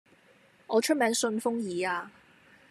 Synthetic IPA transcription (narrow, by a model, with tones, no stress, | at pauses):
ŋɔː˨˧t͡ʃʰt̚mɛː˨˥ŋsɵ˧nfʊ˥ŋjiː˨˧aː˧